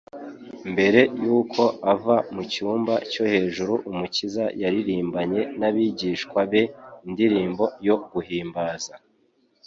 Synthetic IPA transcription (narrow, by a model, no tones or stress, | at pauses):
mbe̞ɾe̞juːkʰo̞avamucuːmbaco̞he̞ːʒuɾuʔumucizajaɾiɾiːmbaɲe̞naβiɟiːʃkwaβe̞indiɾiːmbo̞jo̞ɡuhiːmbaːza